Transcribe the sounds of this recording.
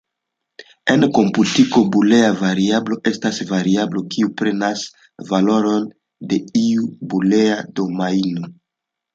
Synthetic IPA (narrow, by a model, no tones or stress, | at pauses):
e̞nko̞mputiko̞buleavaɾiablo̞ʔe̞stasvaɾiablo̞kiupɾe̞nas | valo̞ɾo̞n | de̞iubuleado̞maino